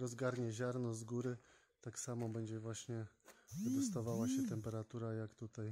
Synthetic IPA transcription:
ɾɔzɡaɾɲɛʑaɾnɔzɡuɾɘ | t̪aksamɔbɛɲd͡ʑɛvwaɕɲɛvɘd̪ɔst̪avawaɕɛt̪ɛmpɛɾat̪uɾajakt̪ut̪aj

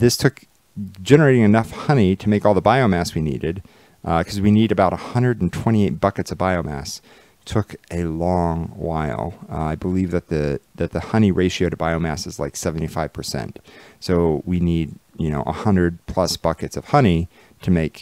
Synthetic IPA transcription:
ðɪstʰʊk | d̥ʒ̥ɛnə˞eɪɾɪ̃ŋɨnʌfhʌniɾɨmeɪkɔlˠðəbaɪoʊmæswinḭɾɪd̚ | ʔkʰʌzwiniɾɨbaʊɾəhʌ̃ndəɾn̩tʰw̥ɛ̃ɾ̃ieɪt̚b̥ʌkɨtsʌvbaɪoʊmæ̰s | tʰʊkʔɨlɔ̃ŋwa̰ɪlˠaɪbəlivðɨt̪̚ðɨðɨt̪̚ðɨhʌñiɹeɪʃioʊɾɨbaɪoʊmæ̰sɨzla̰ɪksɛvn̩tifaɪv̥pʰə˞sɛ̰̃ntsoʊwinidjɨñoʊʔə̰hʌ̃ndɨd̚pʰl̥ʌsb̥ʌkɨtsʌv̥hʌñi | ɾɨmeɪk

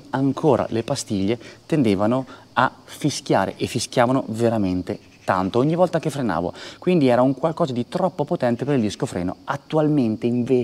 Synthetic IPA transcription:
aŋkʰoːɾʔa̰lepast̪iʎːet̪end̪eːvano | afisk̟ja̰ːɾḛʔefːiskʲjaːvano̰veɾament̪e | t̪a̰nt̪ooɲːivɔlt̪akefɾena̰ːvo̰kwind̪iɛːɾauŋkwalkɔːzad̪it̪ɾɔpːopot̪ɛnt̪epeɾild̪iskofɾɛ̰ːno̰at̪ːualment̪eiɱveː

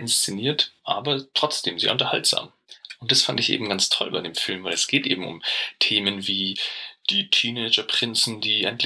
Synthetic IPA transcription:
ɪnst͡sɪniːɐtʔaːbɐtʁ̥ɔt͡sd̥eːmzeːɐʊntɐhaltz̥a̰ːm | ʔʊnt̚d̥asfandɪçʔḛːbm̩ɡant͡stʰɔ̰lbaɪdeːmfɪlmvaɪlɛsɡ̥eːtʔḛːbm̩ʊ̰mtʰeːmənviːd̥iːtʰiːnɛɪd͡ʒɐpʁ̥ɪnsn̩d̥iːʔɛ̰ntl

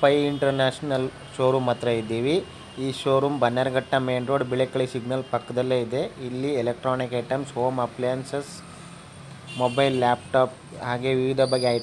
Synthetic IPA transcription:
pɐjiɳʈɐɾnaːʂnɐl | ʃoːɾumɐt̪ɾɐid̪ːiːʋi | iːʃoːɾumbʱɐnːjaːɾɐɡɐʈːɐmeːnɾoːɖbiɭekɐɭisiɡnɐlpɐkːɐd̪ɐlːeːid̪e̞ilːielek̚ʈɾaːnikɐʈɐmsoːmɐpljanses | mobɐjlːaːpʈaːp̚ | ɦaːɡe̞ʋiʋid̪ʱɐbɐɡːeaːjt̪

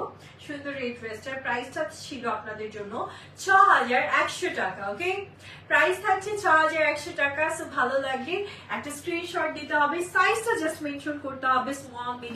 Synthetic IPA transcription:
ʃund̪ʱoɾetʋesʈaɾpɾajsʈat͡ɕʰiloapnad̪eɾd͡ʑonːo | t͡ɕʰɔɦad͡ʑaɾɛkʃoʈakaoke | pɾajst̪ʰak̚t͡ɕʰet͡ɕʰɔɦad͡ʑaɾɛkʃoʈakasubʱalolaɡle | ɛk̚ʈaskɾinʃɔɾʈ̚d̪it̪eɦɔbesajsʈad͡ʑɐsʈmenʃonkoɾt̪eɦɔbesmoamːi

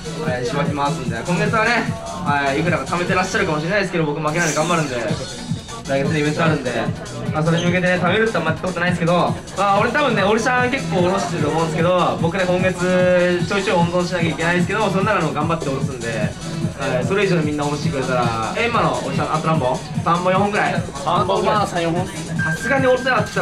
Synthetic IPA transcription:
oɾeɕibakʲimasɯnd̪e̞koŋɡe̞t͡sʰɨane̞ | aeikɯd̪akat̪ʰamet̪eɾaɕ͈aɾɯkamoɕ̬iɾenajeske̞d̪obokɯmak̬ʲinaneɡambaɾɯnd̪e̞ | ɾaɡet͡sɯneiβe̞nt̪͈oaɾɯnd̪e̞ | mas̬oɾeɕoɡed̪enet̪ʰabeɾɯt̪͈ːoamːait̪ːekot̪onaĩsɨkedo | maoɾet̪ʰabɯnːe̞oɾisaŋke̞k͈ːoːɾoɕi̥t̪eɾɯtomoɯ̃nd̪esɨ̥ke̞d̪obok͈ʰɯnekoŋɡesʰɯt͡ɕoit͡ɕ͈oɾond̪onɕ̬ʰinaɡeik͈enaɲis̬ɯke̞d̪ok̬ɯɾonːaɾanɯbokambat͈ːeoɾos͈ɯnd̪e̞ | asʰɯɾɯeid͡ʑonɯminːaoɕikɯɾet͈aɾa̰emːanooɭs͈aŋat͈onɦambo | sambojoŋɦoŋɡɯɾaj | as͈ɯkaɲioɾteat͡ɕ͈

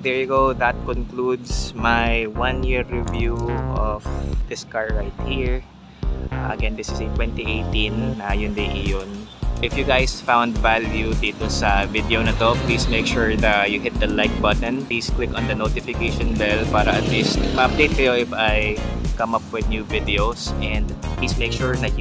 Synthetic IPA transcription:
d̪ɛɹjʊɡowd̪ɐt̪̚kɔnklud̪smajwãnjɪɹːɪvjuʔɔfd̥̪ɪskaɹːajt̪̚hiɹ | ɐ̰ɡɛ̃nd̪ɪsɪset̪wɛnt̪iʔejt̪ĩnːajʊnd̪ɪʔɪjonʔɪfjʊɡajsfãwnd̪valjud̪iːt̪osɐvɪd̪ɛonɐt̪oplismejkʃuɹd̪ɐjʊɦɪt̪̚d̪ɐlajk̪̚bɐt̪ɛ̃npliːsklɪkɔ̃nd̪ɐnot̪ɪfɪkejʃɔ̃nbɛlpaːɾɐʔɐt̪list̪̚mɐɐp̚d̪ejt̪̚kɐjoʔɪfajkɐmɐpwɪd̪̚njuvɪd̪ɛosʔɛ̃nd̪plismejk̚ʃuɹðɐt̪̚j

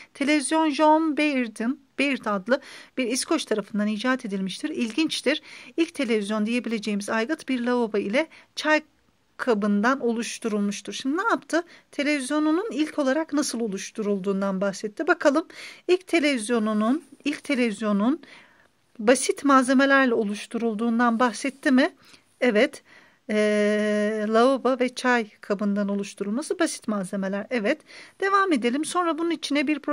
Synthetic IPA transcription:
t̪ʰe̞lʲevizjo̞nʒonbeɾd̪inb̥ejiɾt̪ʰad̪lˠɯb̥iɾiskʰo̞t͡ʃt̪ʰaɾafɯnd̪anid͡ʒaːt̪ʰe̞d̪ilʲmiʃt̪ʰiɾilʲɟint͡ʃt̪ʰiɾ̥ilʲc̚t̪ʰe̞lʲe̞vizjo̞nd̪ije̞bilʲe̞d͡ʒe̞jimizajɡɯt̪biɾlʲaobailʲɛt͡ʃʰaj | kʰabɯnd̪ano̞lˠuʃt̪ʰuɾulˠmuʃt̪ʰuɾ̥ʃimd̪inaapt̪ʰɯt̪ʰe̞lʲe̞vizjo̞nununilʲcʰo̞lˠaɾaknasɯlˠo̞lˠuʃt̪ʰuɾulˠd̪uːnd̪anbaxsɛt̪ʰːibakʰalˠɯmilʲc̚t̪ʰe̞lʲevizjo̞nununilʲct̪ʰe̞lʲe̞vizjo̞nun | basit̪maːze̞me̞lʲæɾlʲɛo̞lˠuʃt̪ʰuɾulˠd̪uːnd̪anbaxsɛt̪ʰːimɪ | ɛvɛt̪ː | lˠaobavɛt͡ʃʰajkʰabɯnd̪ano̞lˠuʃt̪ʰuɾulˠmasɯbasi̥t̪maːze̞me̞lʲæɾɛvɛt̪d̪̥e̞vaːme̞d̪e̞lʲimso̞nɾabununit͡ʃʰinɛbiɾpʰɾ

